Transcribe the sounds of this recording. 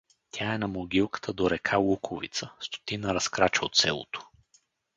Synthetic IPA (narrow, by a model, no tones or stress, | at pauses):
t̪ʲʰaɛnɐmoɡʲilˠkə̥t̪ʰəd̪oɾɛkʰalˠukʰovḭt̪səst̪o̥t̪inəɾɐskɾat͡ʃəot̪sɛlˠo̰t̪o̥